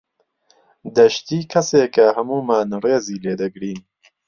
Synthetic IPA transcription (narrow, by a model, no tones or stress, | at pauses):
d̪ɐʃt̪iːkʰɐseːkɐhɐmuːmaːnreːziːleːd̪ɐɡɾiːn